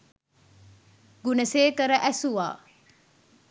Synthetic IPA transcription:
ɡunɐseːkəɾɐʔæsuʋa̰ː

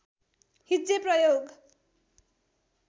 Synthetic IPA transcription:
hid͡zeprʌjoɡ

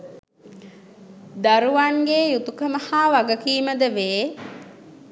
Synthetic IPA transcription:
d̪aɾuʋaŋɡeːjut̪ukəməhaːʋaɡəkiːməd̪əʋeː

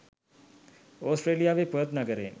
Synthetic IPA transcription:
oːsʈɾeːlijaːʋepujət̪naɡəɾeː

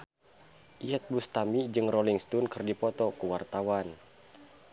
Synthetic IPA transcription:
ʔijat̪̚bust̪amid͡ʒɨŋrɔliŋst̪unkɨrdipɔt̪ɔkuwart̪awan

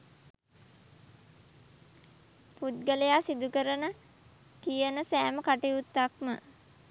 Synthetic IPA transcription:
put̪̚ɡəlejaːsid̪ukəɾənə | kijənəsæːməkaʈiut̪ːak̚mə̰

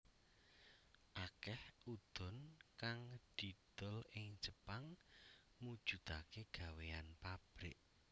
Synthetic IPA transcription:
ʔakɛhud̪̥ʊ̤nkaŋd̪̥id̪̥ʊ̤lɪŋd͡ʒəpaŋ | mud̥ʒ̥ṳt̪akeɡ̥a̤weanpab̥ɾɪ̰ʔ

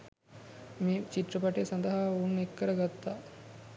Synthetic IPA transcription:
meːt͡ʃit̪rəpaʈesand̪əɦaːounːekːəɾəɡat̪ːaː

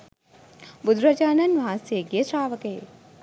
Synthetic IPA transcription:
bud̪ɾɐd͡ʒaːnɐnʋaseɡesɾaːʋɐkeː

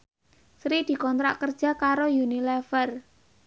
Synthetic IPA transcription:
sɾid̪̥i̤kɔnt̪ɾa̰ʔkərd̥ʒ̥a̤kaɾojunilɛfər

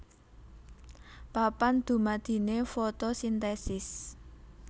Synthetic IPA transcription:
b̥a̤pand̪̥ṳmad̪̥i̤nefot̪osint̪ɛsɪs

